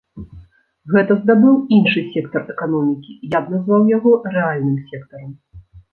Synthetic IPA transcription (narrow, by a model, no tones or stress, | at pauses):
ɣɛt̪ɐzd̪abɨwinʂɨsʲɛkt̪ɐrɛkanɔmʲikʲijabnazvawjaɣɔrɛalʲnɨmsʲɛkt̪ɐɾɐm